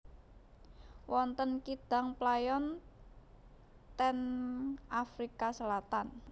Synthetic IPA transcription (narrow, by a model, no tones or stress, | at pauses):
wɔnt̪ənkid̪̥a̤ŋplajɔn | t̪ɛnʔafɾikasəlat̪an